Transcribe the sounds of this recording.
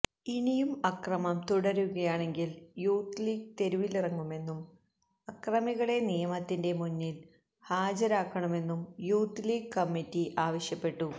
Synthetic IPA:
inijumɐkrɐmɐmt̪uɽɐɾuɣɐjaːɳe̞ŋɡiljuːt̪liːɡ̚t̪e̞ɾuʋilirɐŋːume̞nːum | ɐkrɐmiɣɐɭe̞nijɐmɐt̪ːinde̞munːil | haːd͡ʑɐɾaːkːɐɳɐme̞nːumjuːt̪liːɡkɐmːitːiʔaːʋɐɕjɐpːe̞ʈːu

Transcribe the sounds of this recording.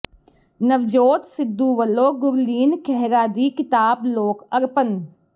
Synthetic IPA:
nɐʋd͡ʒoːt̪sɪd̪ːuʋəlːoːɡʊɾliːnkʰɛɦɾaːd̪ikɪt̪aːbloːkɐɾpən

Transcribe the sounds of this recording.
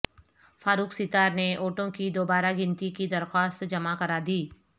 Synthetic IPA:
faːɾuːksɪt̪aːɾneʔoːʈõkid̪oːbaːɾaɡɪ̃nt̪ikid̪ɐɾxaːst̪d͡ʒɐmakɐɾad̪iː

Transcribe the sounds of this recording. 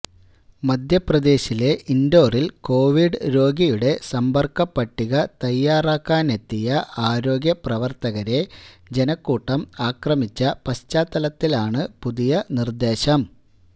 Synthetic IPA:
mɐd̪ʱjɐprɐd̪e̞ːɕile̞ʔind̪o̞ːrilko̞ːʋiɖɨɾo̞ːɡijuɽe̞sɐmbɐrkɐpːɐʈːiɣɐt̪ɐjːaːraːkːaːne̞t̪ːijɐʔaːɾo̞ːɡjɐprɐʋɐrt̪ɐɣɐɾe̞d͡ʑenɐkːuːʈːɐmaːkrɐmit͡ɕːɐpɐst͡ɕaːt̪ːɐlɐt̪ːilaːɳɨpuðijɐnird̪e̞ːɕɐm

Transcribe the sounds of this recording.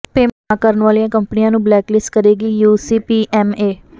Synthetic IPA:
peːm | aːkəɾnʋaːlijãːkəmpniãːnũːblɛːklɪskəɾeːɡiːjuːsiːpiːʔɛːmeː

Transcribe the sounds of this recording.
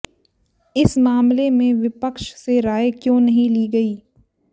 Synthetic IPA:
ɪsmaːmlemẽʋɪpəkʃseɾaːekjõːnɐɦĩliːɡɐiː

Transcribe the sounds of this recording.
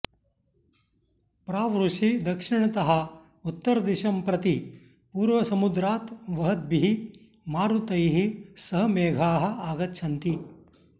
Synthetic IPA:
pɾaːʋɾuʂid̪ɐkʂiɳɐt̪ɐɦɐ̆ | ut̪ːɐɾɐd̪iʃɐmpɾɐt̪i | puːɾʋɐsɐmud̪ɾaːt̪ʋɐɦɐd̪̚biɦi | maːɾut̪ɐjɦisɐɦɐmeːɡʱaːɦɐ̆aːɡɐtːʃʰɐnt̪i

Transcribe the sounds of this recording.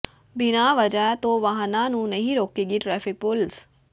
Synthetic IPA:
bɪnaːʋəd͡ʒaːt̪õːʋaɦnaːnũːnəɦĩːɾoːkeːɡiʈɾɛːfɪk̚pʊls

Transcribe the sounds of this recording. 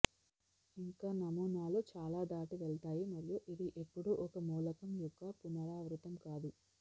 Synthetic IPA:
iŋkaːnɐmuːnaːloːt͡ʃaːlaːd̪aːʈiʋeɭt̪aːjimɐɾjuʔid̪iʔepːuɽuʔɔkɐmuːlɐkɐmjɔkːɐpunɐɾaːʋɾut̪ɐmkaːd̪u

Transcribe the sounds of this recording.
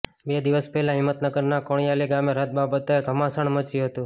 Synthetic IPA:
bed̪iʋəspɛɦɛlãɦɪmːət̪nəɡəɾnakoɳjaliɡameɾət̪̚babət̪eɡʱəmasəɳmət͡ʃjuɦət̪ũ

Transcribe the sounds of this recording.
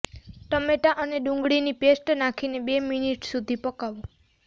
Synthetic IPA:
ʈəmeʈaʔəneɖũŋɡɽinipesʈnakʰinebeminiʈsud̪ʱipəkaʋũ

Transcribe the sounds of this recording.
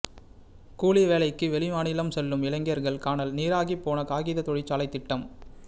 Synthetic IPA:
kuːɭɪʋeːlɐɪkːɯʋɛɭɪmaːnɪlɐmsɛlːɯmɪlɐŋɡɪjɐɾɣɐɭkaːnɐlniːɾaːɣipːoːnɐkaːɣiːðɐt̪ɔɻɪt͡ʃːaːlɐɪt̪ːɪʈːɐm

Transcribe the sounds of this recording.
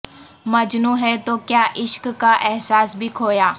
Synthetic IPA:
mɐd͡ʒnũːɦɛt̪okjaːʔɪʃkːaʔɛɦsaːsbʱikʰoːjaː

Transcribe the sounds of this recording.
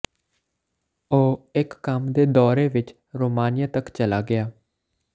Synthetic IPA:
oːɪkːəmd̪eːd̪ɔːɾeːʋɪt͡ʃ | ɾoːmaːnɪjaːt̪əkt͡ʃəlaːɡɪaː

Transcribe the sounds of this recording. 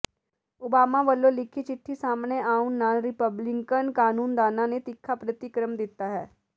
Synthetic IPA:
ʊbaːmãːʋəlːõːlɪkʰːiːt͡ʃɪʈʰːiːsaːmneːaːʊnːaːlɾɪpəblɪŋkənkaːnuːnd̪aːnãːneːt̪ɪkʰːaːpɾət̪ɪkɾəmd̪ɪt̪ːaːɦɛː

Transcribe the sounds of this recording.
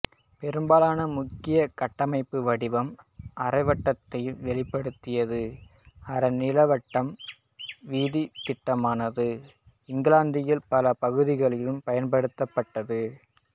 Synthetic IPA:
pɛɾɯmbaːlaːnɐmʊkːɪjɐkɐʈːɐmɐɪpːɯʋɐɽɪʋɐmʔɐrɐɪʋɐʈːɐt̪ːɐjʋɛɭɪpːɐɽɯt̪ːɪjɐðɯ | ɐɾɐnɪlɐʋɐʈːɐm | ʋiːðit̪ɪʈːɐmaːnɐðɯ | ɪŋɡɪlaːnd̪ɪjɪlpɐlɐpɐɣɯðɪɣɐɭɪlɯmpɐjɐnpɐɽɯt̪ːɐpːɐʈːɐðɯ

